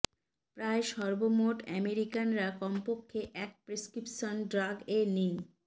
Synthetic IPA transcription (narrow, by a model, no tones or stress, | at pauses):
pɾaeʃɔɾbomoʈɛmeɾikanɾakɔmpokʰːeʔɛk̚pɾeskɾipʃonɖɾaɡeni